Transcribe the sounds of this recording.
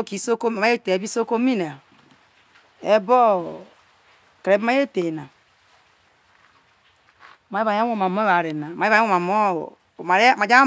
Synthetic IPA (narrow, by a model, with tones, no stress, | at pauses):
o˦ki˨˦so˦ko˦˨ma˦e˦te˨e˨bi˦so˦ko˦mi˦na˨ | e˦bo˦ | ke˨ɾe˨˦bma˦je˦te˨na˨ | ma˨˦e˦βa˨ja˦o˦˨ma˨mo˦βa˨ɾe˨na˨m˨˦˨o˦˨ma˨mo˦˨ | ma˨ɾma˨d͡ʒa˦